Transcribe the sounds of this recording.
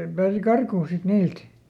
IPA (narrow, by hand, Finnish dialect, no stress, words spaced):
pæːsi kɑrkuːn sit niːlt